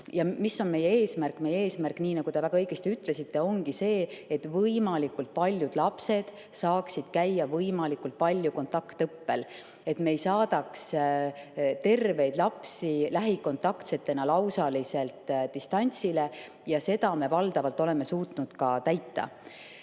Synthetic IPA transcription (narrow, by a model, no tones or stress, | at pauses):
jɑmisːo̞nme̞jee̞ːsmærkːme̞jːee̞ːsmærkːniːnɑɡud̪e̞væɡɑɤjɡ̥est̪iyt̪ːˑle̞sit̪ːe̞o̞ŋɡ̥ise̞ːet̪vɤjmɑlikult̪̚pɑlʲjud̪̥lɑpse̞d̪̥ | sɑːksid̪̥kæjːɑvɤjmɑlikːult̪̚pɑlʲjuko̞nt̪ːˑɑkt̪ɤpːe̞l | e̞t̪me̞jsɑːd̪ɑks | t̪e̞rve̞jd̪̥lɑpsilæɦiko̞nt̪ˑɑkt̪se̞t̪ːˑe̞nɑlɑwsɑlise̞lt̪ˑd̪ist̪ɑnʲt̪sile̞ | jɑse̞d̪ɑme̞vɑld̪̥ɑvɑlt̪ːˑo̞le̞me̞suːt̪nud̪̥kɑt̪æjt̪ːɑ̰